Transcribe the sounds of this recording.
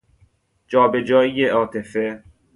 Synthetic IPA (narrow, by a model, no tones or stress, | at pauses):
d͡ʒɒːbe̞d͡ʒɒːijeɒːt̪ʰefe